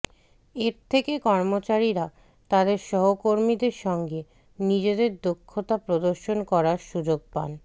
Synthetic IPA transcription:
eɾt̪ʰekekɔɾmot͡ɕaɾiɾa | t̪ad̪eɾʃɔɦokoɾmid̪eɾʃɔŋɡe | nid͡ʑed̪eɾd̪okʰːot̪apɾod̪oɾʃonkɔɾaɾʃud͡ʑoɡ̚pa̰n

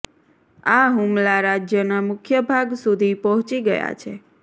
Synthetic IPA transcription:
aɦumlaɾad͡ʒjənamʊkʰjəbʱaɡsud̪ʱipɔɦɔ̃t͡ʃiɡəja̰t͡ʃʰe

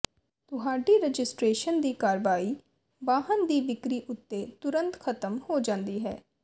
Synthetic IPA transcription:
t̪ʊɦaːɖiːɾəd͡ʒɪsʈɾeːʃənd̪iːkaːɾʋaːiː | baːɦənd̪iːʋɪkɾiːʔʊt̪ːeːt̪ʊɾə̃nt̪kʰət̪əmhoːd͡ʒãːnd̪iːɦɛ̰ː

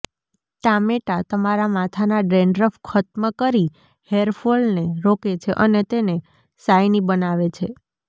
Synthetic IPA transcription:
ʈameʈat̪əmaɾamat̪ʰanaɖɾeɳɖɾəfkʰət̪məkəɾi | heɾfʰolneɾoket͡ʃʰeʔənet̪ene | sajnibənaʋet͡ʃʰe

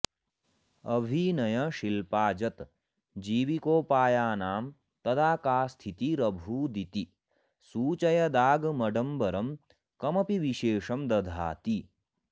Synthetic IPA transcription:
ɐbʱinɐjɐʃilpaːd͡ʒɐt̪ | d͡ʒiːʋikoːpaːjaːnaːm | t̪ɐd̪aːkaːst̪ʰit̪iɾɐbʱuːd̪it̪i | suːt͡ʃɐjɐd̪aːɡmɐɖɐmbɐɾɐm | kɐmɐpiʋiʃeːʃɐmd̪ɐd̪ʱa̰ːt̪i

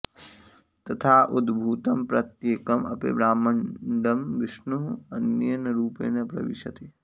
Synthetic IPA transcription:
t̪ɐt̪ʰaːʔud̪bʱuːt̪ɐmpɾɐt̪jeːkɐmɐ̰pḭbɾaːmɐɳɖɐmʋɪʃnuɦɐnjɐnɐɾuːpḛːnɐpɾɐ̰ʋiʃɐt̪i

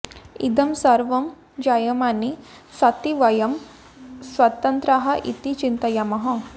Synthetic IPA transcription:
ḭd̪ɐmsɐɾʋɐm | d͡ʒajɐmani | sɐt̪iʋɐjɐm | sʋɐt̪ɐnt̪ɾaɦɐʔḭt̪it͡ʃint̪ɐjamɐɦɐ

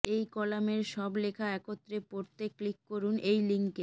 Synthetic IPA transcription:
ejkɔlameɾʃɔblekʰaɛkot̪ːɾepoɾt̪ːekːlikːoɾunejliŋke

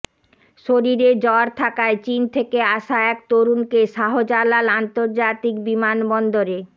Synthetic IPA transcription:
ʃoɾiɾed͡ʑɔɾt̪ʰakaet͡ɕint̪ʰekeaʃaɛk̚t̪oɾunkeʃaɦod͡ʑalalant̪oɾd͡ʑat̪ik̚bimanbɔnd̪oɾe

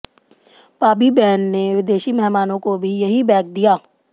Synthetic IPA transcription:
paːbibɛːnːeʋɪd̪eːʃimɛɦmaːnõkobʱijɐɦibɛːk̚d̪ijaː

